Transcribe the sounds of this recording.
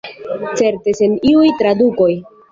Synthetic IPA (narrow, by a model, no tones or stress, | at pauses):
t͡se̞ɾteseniujtɾaduko̞j